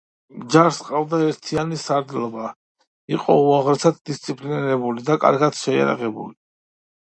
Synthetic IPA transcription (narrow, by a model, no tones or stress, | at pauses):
md͡ʒaɾsqʼavd̪aɛɾt̪ʰianisaɾd̪lˠɔba | iqʼɔuaʁɾɛsat̪d̪ist̪sʼipʼliniɾɛbulid̪akʼa̰ɾɡad̪ʃɛja̰ɾa̰ʁɛbṵli